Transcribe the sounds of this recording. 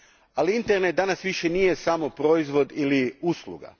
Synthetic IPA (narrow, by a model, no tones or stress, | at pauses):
aliint̪e̞ɾnet̪̚d̪anasʋiʃe̞nijesamo̞pɾo̞izʋo̞d̪iliuslˠṵɡa̰